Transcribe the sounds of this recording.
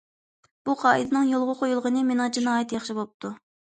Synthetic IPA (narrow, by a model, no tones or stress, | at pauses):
b̥uqʰɑːɨd̪ɨnɨŋjolˠʁʊqʰojulˠʁənɨmenɨŋd͡ʒinɑːjɛt̪jɑχʃibop̚t̪ʰu